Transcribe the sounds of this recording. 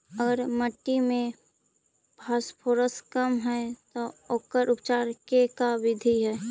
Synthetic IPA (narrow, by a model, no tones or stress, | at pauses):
əɡəɾməʈːimẽ | bʱaːspʰoːɾəskəmɦɛt̪ooːkəɾʔʊp̚t͡ʃaːɾkekaʋɪd̪ʱiɦɛː